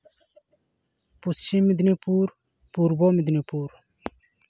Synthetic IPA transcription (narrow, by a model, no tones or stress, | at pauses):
pust͡ɕimːid̪nipuːɾ | puɾbomid̪nipuːɾ